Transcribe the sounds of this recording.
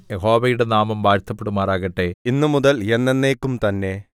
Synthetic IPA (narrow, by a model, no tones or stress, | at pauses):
jeɦo̞ːʋɐjuɽenaːmɐmbaːɾt̪ʰːɐpːeɽumaːraːɣɐʈːe̞inːɨmuðɐle̞nːe̞nːeːkːumt̪ɐnːe̞